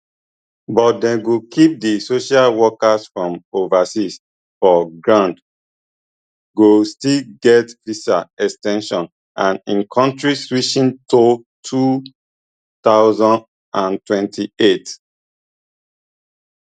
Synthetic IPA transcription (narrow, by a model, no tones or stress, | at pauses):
bɔt̚dɛ̃ɡokip̚disoʃalwɔkasfɹɔ̃movasis | fɔɡɹãnd | ɡostilɡɛtpisaɛkstɛ̃nʃɔ̃n | ʔãnĩnkʰɔ̃ntɹiswiʃĩnto | tʰu | t̪aʊzɔ̃nd | ãntwɛ̃ntʰiet